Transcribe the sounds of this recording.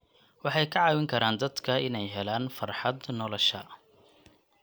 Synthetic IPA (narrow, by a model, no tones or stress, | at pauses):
wɑħɑjkʰɐʕɑːwɪŋkʰɐɾaːnd̪ɐd̪kʰɐɪnɛjɦɛlaːnfɐrħɑd̪nɔlɔʃɐ